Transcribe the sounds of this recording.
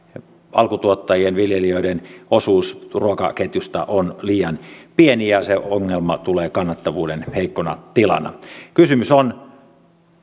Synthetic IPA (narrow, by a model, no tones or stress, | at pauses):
ɑlkut̪uot̪ːɑjienʋiljelioidenosuːsruokɑ̰ket̪just̪ɑ̰ʔonliːjɑnpienijɑseoŋːelmɑt̪uleːkɑnːɑt̪ːɑʋuːdenheikːonɑ̰t̪ilɑ̰nɑ̰kysymyson